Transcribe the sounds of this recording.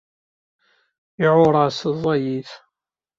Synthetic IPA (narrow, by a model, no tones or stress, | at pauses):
iʕʊɾˤɑszˤːɑjiθ